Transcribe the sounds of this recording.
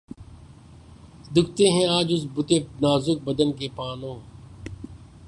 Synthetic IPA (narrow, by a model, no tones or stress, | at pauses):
d̪ʊkʰt̪eːɦɛ̃ːaːd͡ʒʊsbʊt̪eːnaːzʊk̚bəd̪ənkeːpaːnõː